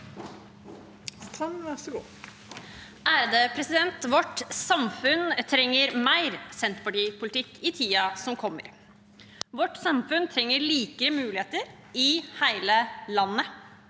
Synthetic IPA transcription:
sɡuː | ʔæːɾd̪eːpʰɾɛsɪd̪ɛnt̪ʋɔʈsɑmfʉnt̪ʰɾɛŋːəɾmæɪɾsɛnt̪pɑʈiːpʰʊlt̪ʰɪkːɪt̪ʰiːɑsɔmkʰɔmːə̰ɾ | ʋɔʈːsɑmfʉnt̪ʰɾɛŋːəɾɭiːkəɾəmʉːlɪheːt̪əɾ | ɪhæɪləlɑnːə

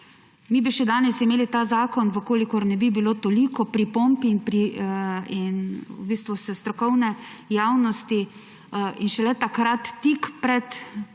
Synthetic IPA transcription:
mibiʃɛd̪aːnɛsimeːlit̪aːzaːkɔnʋəkoːlikɔɾnɛbibilot̪olikɔpɾipompinpɾi | inubiːst̪ʋusɛst̪ɾɔkɔwnɛjawnɔst̪i | inʃɛlɛt̪akɾat̪ːikpɾɛt̪

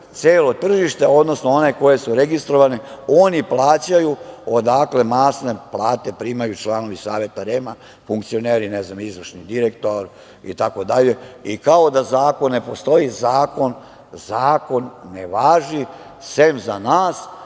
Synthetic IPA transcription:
t̪seːlo̞t̪r̩ʒiʃt̪eo̞d̪no̞snoo̞ne̞ko̞je̞suɾe̞ɡist̪ɾo̞ʋaneo̞niplˠaːt͡ɕajuod̪akle̞maːsneplˠaːt̪e̞pɾiːmajut͡ʃlˠaːno̞ʋisaːʋe̞t̪aɾema | fuŋkt̪sio̞neːɾineznamizʋr̩ʃnid̪iɾekt̪oɾ | ḭt̪ako̞d̪aʎe̞ikao̞d̪azaːko̞nːe̞po̞st̪o̞izaːko̞n | zaːko̞nːeʋaːʒi | semzanaːs

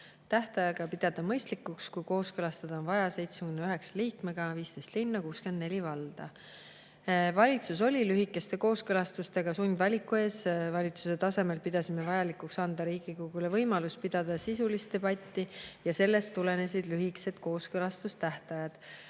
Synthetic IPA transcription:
t̪æht̪ɑjɑɡ̥ɑpid̪̥ɑd̪̥ɑmɤjst̪likːukskujko̞ːskɤlɑst̪ed̪̥onvɑjɑse̞jt̪smekynːeyɦe̞ksɑ̥liːkme̞ɡ̥ɑviːst̪e̞jst̪linːɑkuːske̞nd̪ne̞lʲivɑld̪̥ɑ | vɑlʲit̪sus̬o̞lʲilyɦikːˑe̞st̪e̞ko̞ːskɤlɑst̪ust̪e̞ɡ̥ɑsunʲd̪vɑlʲikːˑue̞ːsvɑlʲit̪su̥se̞t̪ɑse̞me̞lpid̪̥ɑsimevɑjɑlikˑuksɑnd̪ɑɾiːɡ̥ikuɡ̥ule̞vɤjmɑluspid̪̥ɑd̪̥ɑsisulist̪e̞bɑt̪ʲːijɑse̞lːe̞st̪ːule̞ne̞sid̪̥lyɦikse̞d̪̥ko̞ːskɤlɑst̪ust̪æht̪ɑjɑd̪̥

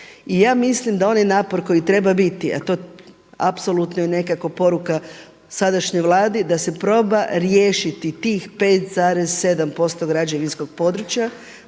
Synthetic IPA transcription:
ijaːmislimd̪ao̞najnaːpo̞ɾko̞jit̪ɾe̞babit̪ia̰t̪o̞ | a̰pso̞lˠut̪nojene̞kako̞po̞ɾuka | sad̪aʃɲejʋlˠaːd̪id̪ase̞pɾo̞ːbaɾjeːʃit̪it̪iːxpeːt̪zaːɾezse̞d̪ampo̞st̪o̞ɡɾad͡ʑeʋinsko̞ɡ̚po̞d̪ɾut͡ɕja

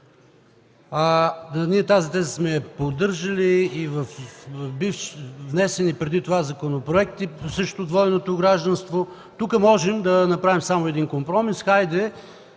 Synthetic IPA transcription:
aniɛt̪azit̪ɛzə̥smɛpod̪ɤɾʒɐliːvɐfbifʃvnɛsɛnipɾɛd̪it̪ovazɐkonopɾoɛk̚t̪isɤʃt̪od̪vɔɛnot̪oɡɾaʒd̪ɐnst̪vo | t̪ukəmɔʒɛmd̪ɐnɐpɾavimsamoɛd̪inkompɾɔmisxajd̪ɛ

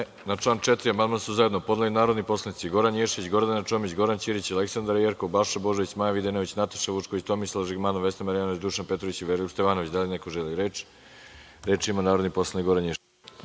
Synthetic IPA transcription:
naʈ͡ʂlˠaːnt͡ʃet̪ɾiamand̪mansuzaed̪nopo̞d̪nalinaːɾo̞d̪nipo̞slˠanit̪siɡo̞ɾanjeʃeʋit͡ɕɡo̞ɾd̪anat͡ʃo̞mit͡ɕɡo̞ɾant͡ɕiɾit͡ɕialeksand̪aɾjeɾkobaʃabo̞ʒoʋit͡ɕmajaʋid̪enoʋit͡ɕnat̪ḁʃaʋut͡ʃkoʋit͡ɕt̪omislˠaʒiɡmanoʋesamaɾijanoʋit͡ɕd̪uʃanpet̪ɾo̞ʋit͡ɕiʋeɾlust̪eʋaːnoʋit͡ɕd̪alinekoʒeliɾeːt͡ʃ | ɾet͡ʃimanaːɾod̪nipo̞slˠanikɡoɾanjeʃ

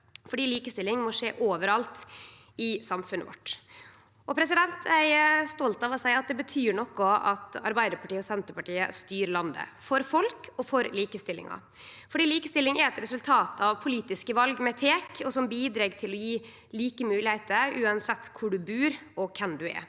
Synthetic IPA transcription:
fɔɖiːliːkəst̪ɪlɪŋmɔʂḛːʔoːʋəɾɑlt̪ | ɪsɑmfʉnːə̰ʋɔ̰ʈː | ʔɔpʰɾɛsɪd̪ɛnt̪ʰæɪst̪ɔlt̪ɑʋɔsæɪɑt̪̚d̪ɛbət̪ʰyːɳɔkːɔɑt̪ɑ̰ɾbæɪd̪əɾpɑʈiːəɔsɛnt̪əɾpɑʈiːə̰st̪yːɾlɑnd̪ə̰fɔɾfɔlkɔfɔɾliːkəst̪ɪlɪ̰ŋɑ̰ | fɔɖiːliːkəst̪ɪlɪŋæɾɛt̪ɾɛsʉlt̪ʰɑːt̪ʰɑʋpʰʊliːt̪ɪskəʋɑlɡmɛt̪ʰeːkʰɔsɔmbiːd̪ɾeːɡt̪ʰɪlɔjiː | liːkəmʉːlɪhɛɪt̪əɾʉːɑnsɛt̪ːkʰʊɖʉbʉːɾɔkʰɛmd̪ʉɛ̰

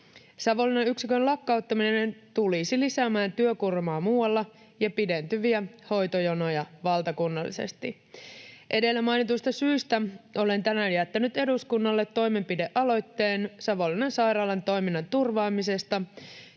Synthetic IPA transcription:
sɑʋo̞lːinɑyksikønlɑkːɑut̪ːɑminenent̪ulisilisæmæːnt̪yøkurmɑːmuːɑlːɑ | jɑpide̞nt̪yʋiæho̞jt̪ojono̞jɑʋɑlt̪ɑkunːɑlːḭse̞̰st̪i | ʔe̞de̞lːæmɑjnit̪uist̪ɑsyːst̪æʔo̞le̞nt̪ænæjæt̪ːænyt̪e̞duskunːɑlːe̞t̪ːo̞jme̞mpide̞ʔɑlo̞jt̪ːe̞ːnsɑʋo̞linɑnsɑjɾɑːlɑnt̪o̞jminːɑnt̪urʋɑːmise̞st̪ɑ

